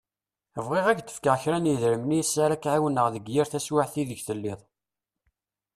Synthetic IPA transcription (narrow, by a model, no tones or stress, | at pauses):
əvʁiʁæɡ̪ə̥fkaʁçɾæniðɾəmnisːaɾakʕawənəʁðəɡjiɾθæswaʕθiðəçθəlːɪðˤ